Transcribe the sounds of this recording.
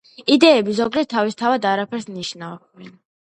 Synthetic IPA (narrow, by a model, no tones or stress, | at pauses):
id̪ɛɛbizɔɡd͡ʒɛt̪ʰːavist̪ʰavad̪aɾapʰɛɾsniʃnav | ɛn